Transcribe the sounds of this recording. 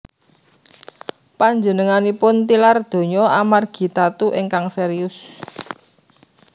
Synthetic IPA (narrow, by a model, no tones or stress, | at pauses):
paɲd͡ʒə̤nəŋanipʊnt̪ilard̪̥o̤ɲɔamarɡ̥i̤t̪at̪uʔiŋkaŋsɛɾiʊs